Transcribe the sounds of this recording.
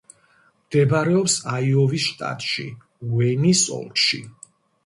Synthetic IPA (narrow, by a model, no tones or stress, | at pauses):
md̪̥ɛbaɾɛɔpsaiɔvisʃt̪ʼa̰t̪ʼʃḭ | wɛnisɔ̰lˠkʼʃḭ